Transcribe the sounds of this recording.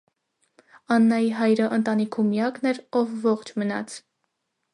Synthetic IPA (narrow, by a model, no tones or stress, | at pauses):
ɑnːɑjiɦɑjɾəʔənt̪ɑnikʰumjɑknɛɾɔvːɔχt͡ʃʰmənɑ̰t͡sʰ